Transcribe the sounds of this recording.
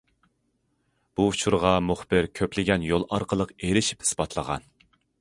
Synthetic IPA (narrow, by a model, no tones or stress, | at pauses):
b̥ut͡ʃʰuɾʁɑmuχbɪɾkʲʰøplɪɡʲɛnjolˠɑ̰ɾqəlˠəqeɾɪʃi̥phi̥sbɑt̪ʰlˠəʁɑ̰n